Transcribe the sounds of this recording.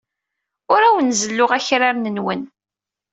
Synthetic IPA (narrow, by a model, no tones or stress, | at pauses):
ʊɾæwənzəlːʊʁæçɾaɾnənwən